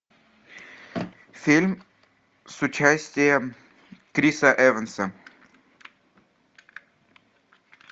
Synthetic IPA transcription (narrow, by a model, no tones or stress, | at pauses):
fʲilʲm | sʊt͡ɕæsʲtʲɪjə | kɾʲisəʔɛvənsə